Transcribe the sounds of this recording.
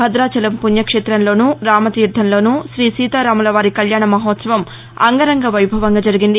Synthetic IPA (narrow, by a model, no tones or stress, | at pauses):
ɐd̪ɾaːt͡ʃɐlɐmpunjɐkʂeːt̪ɾɐnlo̞ːnuɾaːmɐt̪iːɾd̪ʱːɐnlo̞ːnuʃɾiːsiːt̪aːɾaːmulɐʋaːɾikɐljaːɳɐmɐɦɔːt̪sɐʋɐm | ɐ̰ŋɡɐɾɐŋɡɐʋɐjbʱɐʋɐŋɡaːd͡ʒɐɾiɡind̪i